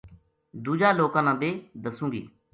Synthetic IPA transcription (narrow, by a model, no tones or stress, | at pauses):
d̪uːd͡ʒaːloːkãːnãːbeːd̪əsũːɡḭː